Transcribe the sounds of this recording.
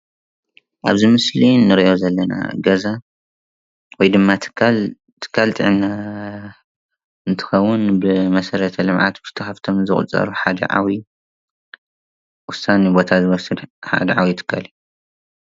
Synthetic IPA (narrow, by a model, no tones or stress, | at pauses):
ʔa̰βzimɨslinɨɾiʔo̞zɐlːɐna̰ɡɐza | wɔjd̪ɨmːat̪ʰɨ̥kʰːal | t̪ʰɨ̥kʰːalt̪ʰʼɨ̰ʕɨnːa | ɨnt̪ʰɨ̥xɐwːʊnbɨmɐsɐɾɐt̪ʰɐlɨmʕa̰t̪bʰɨ̥t̪ʰɐxaft̪ʰomnzɨxʼṵt͡sʼɐ̰ɾuħad̪ɐ̰ʕa̰wi | wʊsanibo̞t̪ʰazɨwɔsɨd̪ħa̰d̪ɐʕawit̪ʰɨ̥kʰːaliju